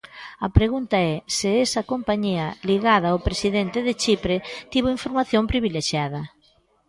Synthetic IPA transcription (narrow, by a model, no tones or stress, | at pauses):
ɐpɾeɣunt̪ɐɛsɪesɐkompaɲiɐliɣaðɐopɾesiðent̪ɪðɪt͡ʃipɾet̪iβoiɱfoɾmaθjompɾiβileʃjaðɐ